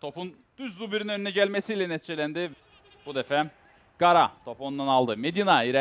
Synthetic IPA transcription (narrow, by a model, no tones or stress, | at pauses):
t̪ʰo̞pun | d̪̥yzzːubiɾinø̞nyinɛɟælʲmesijːlʲɛnet̪ʰid͡ʒe̞lʲænd̪iv | b̥ud̪efɛ | ɡ̥aɾat̪ʰo̞pond̪analˠd̪ɯmed̪inaiɾɛ